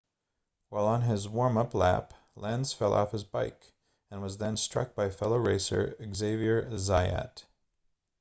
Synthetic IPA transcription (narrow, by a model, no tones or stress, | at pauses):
waɪlˠə̃nɪzwɔɹmʌplæ̰p | læ̃nz̥fɛlˠʔɔ̰fhɨzbaɪk | ɨ̃nwʌzðɨ̃nstɹ̥ʌ̰k̚b̥aɪfɛlˠoʊɹeɪsə̰˞ɨɡzeɪviə˞zaɪæ̰t